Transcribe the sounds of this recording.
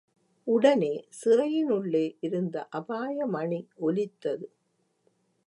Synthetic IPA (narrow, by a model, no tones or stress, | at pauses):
ʊɽɐneːsɪrɐjɪnɯɭːeːʔɪɾɯnd̪ɐʔɐbaːjɐmɐɳiɔlɪt̪ːɐðɯ